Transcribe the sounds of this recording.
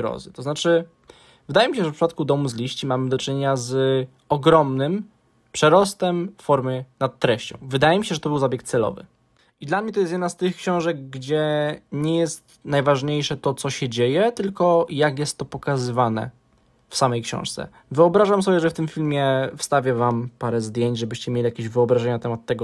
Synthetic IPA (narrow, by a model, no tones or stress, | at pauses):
ɾɔ̰zɨt̪ɔznat͡ʂɘ | vɘd̪ajɛmʲiɕɛʐɛfpʂɨpat̪̚kud̪ɔmuzlʲiɕt͡ɕimamɘd̪ɔt͡ʂɨɲeɲaz | ɔɡɾɔmnɘm | pʂɛɾɔst̪ɛmfɔɾmɘnat̪ːɾɛɕt͡ɕɔ̰̃w̃vɘd̪ajɛmʲiɕɛʐɛt̪ɔbɘwzabʲjɛk̚t̪sɛlɔ̰vɘ̰ | id̪lamɲɛt̪ɔjɛst̪jɛd̪nast̪ɘxkɕɔ̃w̃ʐɛɡ̚ɡd͡ʑɛɲɛjɛst̪najvaʐɲejʂɛt̪ɔt̪sɔɕɛd͡ʑejɛt̪ɘlkɔjakjɛst̪ːɔpɔkazɘvanɛ̰ | fsamɛjkɕɔ̰̃w̃ʂt̪sɛ̰ | vɘɔbɾaʐamsɔbʲjɛʐɛft̪ɘmfʲilmʲjɛfst̪avʲjɛvampaɾɛzd̪ʲjeɲd͡ʑʐɛbɘɕt͡ɕɛmʲjelʲijakʲeʑvɘɔbɾaʐɛɲanat̪ɛmat̪ːɛɡɔ